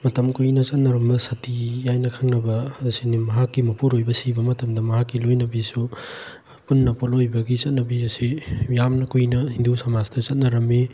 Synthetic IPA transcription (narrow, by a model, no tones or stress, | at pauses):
mɐtɐmkujnɐt͡ʃɐt̚nɐɾɐmbɐsɐtijajnɐkʰɐŋnɐbɐːsinimɐɦakːimɐpuɾojbɐsibɐmɐtɐmdɐmɐɦakːilojnɐbisu | punːɐpolojbɐɡit͡ʃɐt̚nɐbiɐsijamnɐkujnɐhindusamasdɐt͡ʃɐt̚nɐɾɐmːe